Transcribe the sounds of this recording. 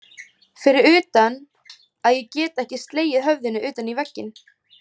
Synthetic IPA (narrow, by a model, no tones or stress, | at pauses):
fɪɾɪɾʏːt̪an | aðjɛcɛːt̪aɛhcɪst̪leːjɪðɦœvðɪnʏʔʏːt̪anivɛcːɪn